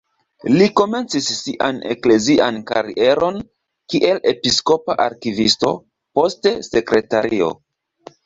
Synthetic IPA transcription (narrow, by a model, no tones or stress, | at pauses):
liko̞me̞nt͡sisːiʔane̞̰kle̞ziʔankaɾie̞ɾo̞n | kiʔe̞le̞pisko̞paʔaɾkivisto̞̰ | po̞stese̞kɾe̞taɾio̞̰